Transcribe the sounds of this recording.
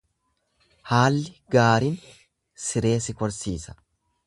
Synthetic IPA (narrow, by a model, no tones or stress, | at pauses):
haːlːɪɡaːɾin | sɪɾe̞ːsɪkɔɾsiːsɐ̥